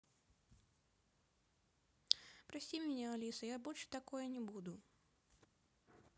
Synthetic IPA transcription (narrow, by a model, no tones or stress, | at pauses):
pɾɐsʲimʲɪnʲɛalʲisɐjabɔlʲʂɨ̥t̪akojɐnʲɪbud̪ʊ